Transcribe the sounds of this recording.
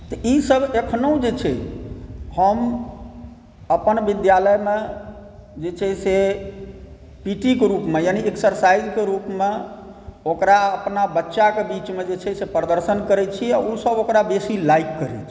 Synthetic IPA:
t̪ɔʔisəbʱekʰnoũd͡ʒet͡ʃʰɛ̰ | həm | əpənbid̪jaləjme | d͡ʒet͡ʃʰɛse | piʈikeɾupmejanieksəɾsajd͡ʒkeɾupme | okɾaəpnabətːʃakebit͡ʃmed͡ʒet͡ʃʰɛsepɾəd̪əɾsənkəɾɛt͡ʃʰiausəbokɾabesilaikːəɾɛ̰t͡ʃʰi̥

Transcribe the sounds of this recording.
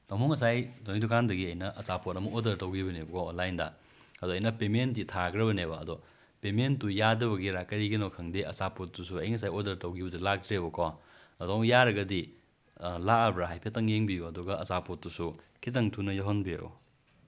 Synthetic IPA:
tamuŋɐsajdonidukʰandɐɡiɐjnɐʔɐsapotɐmɐodɐɾtɐwɡibɐnebɐkʰɔːnlajndɐ̰ | ɐdoɐjnɐpementːitʰaɡɾɐbɐnebɐ̰ːdɔ | pementːujadɐβɐɡiɾakɐɾiɡinokʰɐŋdiɐ̰sapot̚dusuɐjŋɐs̬ajodɐɾtɐwɡibɐdulak̚tɾebɐkʰɔ | ɐdoŋjaɾɐɡɐdi | laɐbɾaɦajpʰetɐŋjeŋbijuɐduɡɐɐsapot̚dusu | kʰit̬ɐŋtʰunɐjɐɦonbiɐ̰ɾo̰

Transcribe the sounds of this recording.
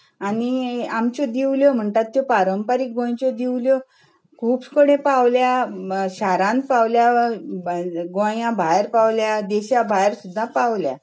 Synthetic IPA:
aniamt͡ɕɔd̪iwljom̤əɳt̪at̪ːjopaɾəmpaɾik̚ɡõj̃t͡ɕɔd̪iwljo | kʰuːpskəɽẽpawljaɕaɾãnpawlja | ɡõjãbʱajɾpawljad̪eɕabʱajɾsud̪ʱːãpaʋlja̰

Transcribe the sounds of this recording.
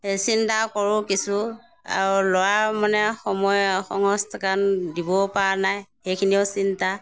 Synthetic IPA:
sintakɔɹʊkisu | a̰ɹulɔjamanɛxɔmɔjxɔŋɔstʰakandibɔpaɹanajxejkʰiniʊsinta

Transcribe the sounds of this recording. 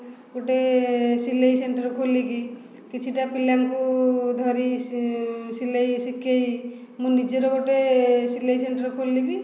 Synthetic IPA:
ɡoʈesilejseɳʈəɾkʰoliki | kit͡ʃʰiʈapilaŋkud̪ʱɔɾi | silejsikʰej | mũnid͡ʒɔɾɔɡoʈesilejseɳʈəɾkʰolːibi

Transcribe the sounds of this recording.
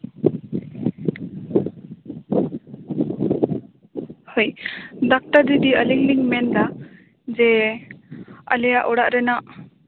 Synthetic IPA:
hojd̪ak̚ʈad̪id̪iəliŋliŋmɛnd̪a | d͡ʒɛ | ə̰lɛjaʔɔɽaʔɾɛnaʔ

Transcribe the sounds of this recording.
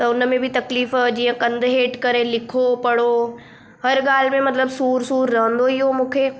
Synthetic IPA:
t̪ɐʊnəmẽbʱit̪ɐkliːfd͡ʒiːãkɐ̃nd̪ɦeːʈkɐɾẽlɪkʰopɐɽo | ɦɐɾɡaːlmẽmɐt̪ləbsuːɾsuːɾːə̃ɦə̃nd̪oiɦomũːkʰeː

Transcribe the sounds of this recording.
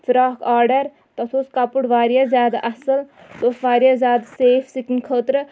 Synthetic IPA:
fiɾaːkʰaːɾɖɐɾ | t̪ɐsʰoskapuʈʋaːɾjazʲjaːd̪ɐsɐl | soːsʋaːɾjazʲaːd̪seːpʰsikinkʰəːt̪ɾ

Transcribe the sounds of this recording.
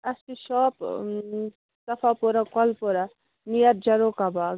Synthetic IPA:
ɐst̪iʃɔːp | sɐfapoɾakɔlpoɾa | nijɐɾ̚d͡ʒɐɾokabaːɡ

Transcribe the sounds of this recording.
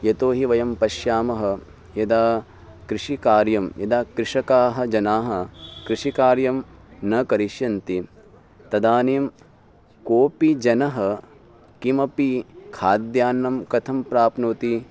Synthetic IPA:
jɐt̪oːɦiʋɐjɐmpɐʃjaːmɐɦɐ̆ | jɐd̪aː | kɾɪʂikaːɾjɐmjɐd̪aːkɾɪʂɐkaːɦɐ̆d͡ʒɐnaːɦɐ̆kɾiʂikaːɾjɐmnɐkɐɾiʃjɐnt̪i | t̪ɐd̪aːneːm | koːpid͡ʒɐnɐɦɐ | kimɐpikʰaːd̪jaːnːɐmkɐt̪ʰɐmpɾaːpnoːt̪i

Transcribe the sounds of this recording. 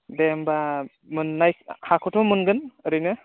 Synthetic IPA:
demba | mɯnːajhakʰɔtʰɔmɯnɡɯnɯɾɯjnɯ

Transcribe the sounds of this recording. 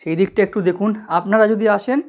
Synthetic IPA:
ʃejd̪ik̚ʈaek̚ʈud̪ekʰunapnaɾad͡ʑod̪iaʃen

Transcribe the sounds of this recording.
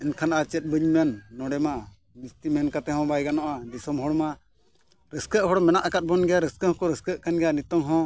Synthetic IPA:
ɛnkʰanaʔat͡ʃɛt̪̚ˀbɨɲmɛnːɔɽɛma | bist̪imɛnkat̪ɛɦɔ̃bajɡanɔʔad̪isɔmɦɔɽma | ɾəskəʔɦɔɽmɛnaʔakat̪̚bɔnɡɛjaɾəskəhɔ̃kɔɾəskəʔkanɡɛjanit̪ɔŋɦɔ̃

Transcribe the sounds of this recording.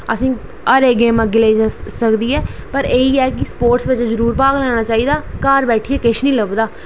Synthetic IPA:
əsĩː | əɾeːɡeːməɡɪleːisəkd̪iːɛːpəɾeːiːɛːkɪspoːɾʈsʋɪt͡ʃzəɾuːɾpaːɡlɛːɽ̃aːt͡ʃaːiːd̪aːkaːɾbɛːʈʰiːɛːkɪʃnĩːləʋd̪aː

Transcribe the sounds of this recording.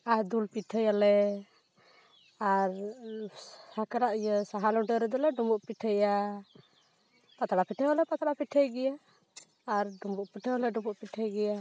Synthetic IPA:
aɾd̪ulpiʈʰəjalɛ | aɾ | akaɾaʔijəsaɦalɔɖəɾɛd̪ɔlɛɖumbɔʔpiʈʰəja | pat̪aɽapiʈʰəjalɛpat̪aɽapiʈʰəjɡɛjaː | ɾɖumbuʔpiʈʰəalɛɖumbuʔpiʈʰəjɡɛja

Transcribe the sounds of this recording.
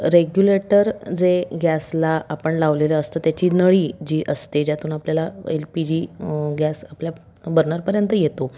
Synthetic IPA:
ɾeɡjuleʈəɾd͡zeɡjæslaapəɳlaʋleləəst̪ət̪jat͡ɕiːnəɭiːd͡ʑiːʔəst̪ed͡ʑjat̪ʰuːnapljalaḛlpid͡ʑiːɡæsaplja | bəɾnəɾpəɾjənt̪əjet̪o

